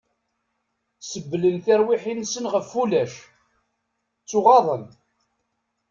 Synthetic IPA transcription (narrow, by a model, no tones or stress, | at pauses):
səbːlənθɪɾwɪħinsənʁəfːulæʃ | t͡sːʊʁɑðˤən